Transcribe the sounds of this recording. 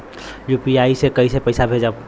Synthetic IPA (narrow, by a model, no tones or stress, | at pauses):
juːpiaːisekəisepəɪsabʱed͡ʒa